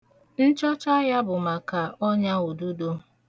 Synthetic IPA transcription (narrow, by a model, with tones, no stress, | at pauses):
n̩˦t͡ʃɔ˦t͡ʃa˦ɣja˦bʊ˨ma˨ka˨ʔɔ˦ɲa˦o˨du˦do˦